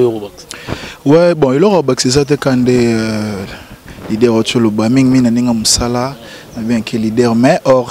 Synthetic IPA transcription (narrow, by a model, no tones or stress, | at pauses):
wɛbɔ̃elɔkobaki̥sezat̬ɛkande | lidɛʁtolobamiŋmiŋnaneŋɡamosala | nabiakʰelidɛʁmɛʔɔʁ